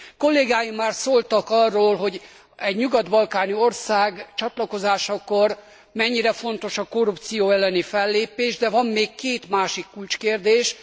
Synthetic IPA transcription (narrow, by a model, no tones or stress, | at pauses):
ko̞lːeːɡaːjimːaːrsoːlt̪ɒkɒrːoːlɦo̞ɟ | ɛɟɲuɡɒd̪bɒlkaːnio̞rsaːɡt͡ʃɒt̪lɒko̞zaːʃɒkor | mɛɲːiɾɛfo̞n̪t̪o̞ʃɒko̞rup̚t̪sijoːɛlːɛnifɛlːeːpeːʒd̪ɛvɒmːeːkkːeːt̪maːʃikːult͡ʃkeːrd̪eːʃ